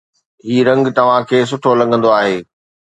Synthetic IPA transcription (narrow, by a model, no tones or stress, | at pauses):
ɦiːɾɐ̃ŋɡt̪ɐʋ̤ãkʰeːs̬ʊʈʰolɐ̃ŋɡʱə̃nd̪oaːɦeː